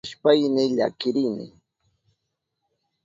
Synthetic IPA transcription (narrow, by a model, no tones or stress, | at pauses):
ʃpajnɪʎa̰kɪɾɪnɪ̰